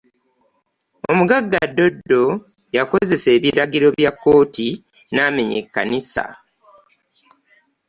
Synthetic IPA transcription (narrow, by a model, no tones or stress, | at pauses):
o̞muɡaɡːadːo̞dːo̞ | jako̞ze̞se̞ːβiɾaɡiɾo̞βjakːo̞ːti | naːme̞ɲe̞̰kːa̰nisa̰